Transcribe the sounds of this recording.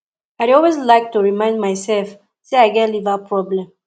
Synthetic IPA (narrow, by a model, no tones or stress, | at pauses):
aɪdɔlwezlaɪk̚tuɹimãɪ̃ndmaɪsɛlf | seaɪɡɛtlivapʰɹɔblɛ̃m